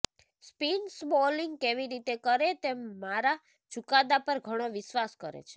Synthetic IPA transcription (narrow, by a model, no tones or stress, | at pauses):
spinsboliŋɡ̚keʋiɾit̪ekəɾet̪emːaɾa | t͡ʃukad̪apəɾɡʱəɽ̃oʋɪʃʋaskə̰ɾḛt͡ʃʰe̥